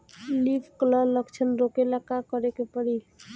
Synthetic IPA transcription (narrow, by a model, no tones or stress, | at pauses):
lipʰklələkt͡ʃʰənɾokelakakəɾekepəɽi